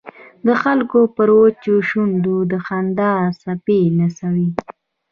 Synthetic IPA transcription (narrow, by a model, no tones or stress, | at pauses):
d̪əxalkopəɾot͡ʃoʃund̪ud̪əxand̪ɑsapenasawi